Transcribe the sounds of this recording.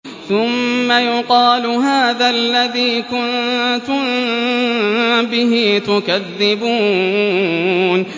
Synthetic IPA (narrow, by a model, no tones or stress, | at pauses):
θʊmːajʊqɑːlɦaːðaʔlːaðiːkʊnt̪ʊm | bɪɦiːt̪ʊkaðːɪbuː | n